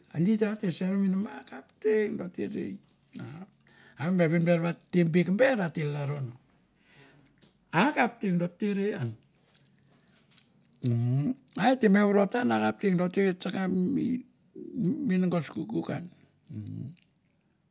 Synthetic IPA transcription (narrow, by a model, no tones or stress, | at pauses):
anditateseɾominamakapteŋdotḛɾḛj | a | aembeβinbeɾβatembekmbeɾatelaɾono | akap̚teŋdoteɾean | aetemeβɾotanakap̚teŋdoteet͡ʃakaḭ | minŋɡoskukuka̰n